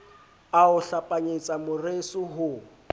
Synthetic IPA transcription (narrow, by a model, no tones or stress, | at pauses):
aʊɬapʼaɲet͡sʼamʊresʊɦʊ